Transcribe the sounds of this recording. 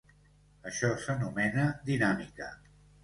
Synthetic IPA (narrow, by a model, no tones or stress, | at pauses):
əʃɔsənumɛnəd̪inamikə